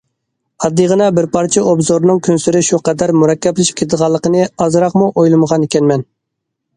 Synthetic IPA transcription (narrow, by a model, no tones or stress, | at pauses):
ɑd̪ːəʁənɑbɪɾpɑɾt͡ʃʰɛobzoɾnɨŋkʲʰønsyɾɪʃuqɛd̪æɾmuɾɑkʲːɛp̚ːlˠɪʃp̚kʰʲet̪ʰɨd̪ʁɑlˠːəqənɨɑzɨɾɑqmuʔojlˠɨməʁɑnekʲɛnmɛn